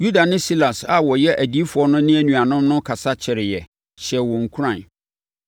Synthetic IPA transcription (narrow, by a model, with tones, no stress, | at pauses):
ju˦da˨nɪ̃˦si˦la˨sa˨wɔ˨jɛ˦ʔæ˨di˦fʊ˨˦ɔ˦nʊ̃˦nɪ̃˦æ˨nũ˨a˨nʊ̃˦mnʊ̃˦kʰa˨sa˦t͡ɕʰɪ˨ɾɪ˨jɛ˨ | ɕɛ˨wɔ̃˨ŋ̩˨kʰu˦ɾã˨n